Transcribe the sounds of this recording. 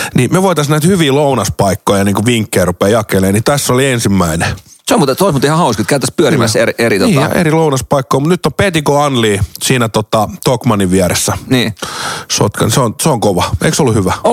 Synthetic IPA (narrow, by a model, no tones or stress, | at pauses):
nimeʋoit̪ɑsnæit̪hyʋiːlounɑspɑikːoijjɑniːŋkuʋʋiŋkːeːrupeːjɑkeleːnit̪æsːoliensimːæineseomut̪t̪oˑismuːt̪ihɑhɑuskit̪kæˑyt̪ːˑæspyøimæseriʔeɾit̪oniːɑjɑ̰ʔḛrilounɑspɑikːoimut̪nyt̪ːompet̪ikoɑnliːsiːnæt̪ot̪ɑt̪okmɑniʋʋiæɾesːæniːso̰t̪kɑ̰nseonseoŋkoʋɑḛiksolːuhyʋæo